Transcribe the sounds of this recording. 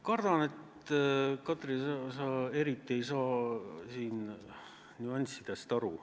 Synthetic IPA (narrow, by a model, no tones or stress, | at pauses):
kɑrd̪̥ɑne̞t̪ | kɑt̪ˑrisɑsɑːe̞ɾit̪ːˑie̞jsɑːsiːn | nuɑnʲsid̪̥est̪ɑɾu